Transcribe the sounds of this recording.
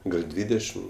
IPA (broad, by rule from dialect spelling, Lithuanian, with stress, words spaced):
ɡɐlˠ ˈdʲʋʲiːdʲɛʃʲɪm